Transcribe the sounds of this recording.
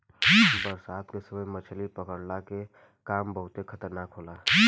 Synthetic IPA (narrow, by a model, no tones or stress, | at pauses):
bəɾsaːt̪kesəməjmət͡ʃʰlipəkəɽlake | kaːmbəɦʊt̪ekʰɐt̪əɾnaːkɦoːlaː